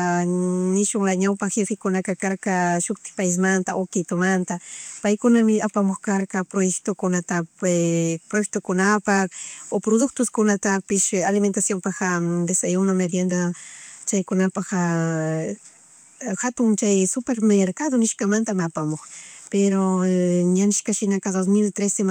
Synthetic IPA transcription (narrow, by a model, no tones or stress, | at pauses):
nɪʃʊŋɾaɲawpaxefɪkʊnakakaɾkaʃʊkt̪ɪ̥pajs̬mant̪aʔokɪt̪omant̪apajkʊnamɪapamoxkaɾkapɾojekt̪okʊnat̪a | pɾojek̚t̪okʊnapakopɾod̪ʊk̚t̪ʊskʊnat̪apɪʃalɪment̪asjompaxad̪esajunamed̪jend̪at͡ʃajkʊnapaxa | xat̪ʊŋt͡ʃajsʊpeɾmeɾkaðonɪʃkamant̪amɪapamoxpeɾoɲanɪʃkaʃɪnakad̪os̬mɪlt̪ɾesem